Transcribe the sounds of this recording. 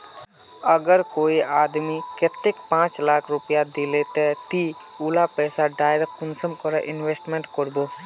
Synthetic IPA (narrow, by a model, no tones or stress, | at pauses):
əɡəɾkoːiaːd̪miket̪ːekpãːt͡ʃlaːkʰɾʊpijad̪ileːt̪et̪i | ulapɛːsaɖaːɪɾek̚kʊnsəmkɔɾeʔɪnweːsʈmẽɳʈkəɾboː